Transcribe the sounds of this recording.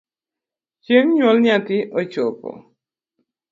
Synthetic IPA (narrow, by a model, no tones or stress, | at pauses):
t͡ʃeŋɲwɔlɲatɪʔɔt͡ʃopɔ̰